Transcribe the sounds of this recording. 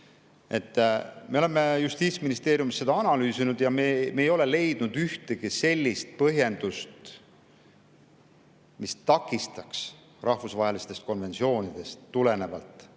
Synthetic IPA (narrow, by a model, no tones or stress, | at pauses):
e̞t̪ːˑmeolemːejust̪iːt̪sʲminist̪e̞ːɾjumisːed̪ɑɑnɑlyːsinud̪̥jɑmemeːjo̞le̞le̞jd̪̥nud̪̥yht̪e̞ɡ̥ise̞lʲːist̪̚pɤɦje̞nd̪̥ust̪ | mist̪ɑkːˑist̪ɑks | rʔɑhfusvɑɦe̞list̪est̪̚ko̞nve̞nsio̞ːnid̪̥e̞st̪ːule̞ne̞vɑlt̪ˑ